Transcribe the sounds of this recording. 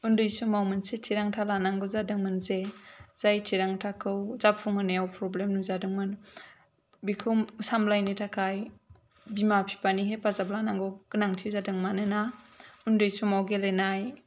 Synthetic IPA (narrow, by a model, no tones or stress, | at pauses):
undɯjsumawmɯnsetʰiɾaŋtʰalanaŋɡɔzadɯŋmɯnzez̥ajtʰiɾaŋtʰakʰɯwzapʰuŋɯnejawpɾɔblemnuzadɯŋmɯn | bikʰɯmsamlajnitʰakʰaj | bimapʰi̥paniɦepazablanaŋɡɔɡ̥ɯnaŋtʰizadɯŋmanɯna | undɯjsumawɡelenaj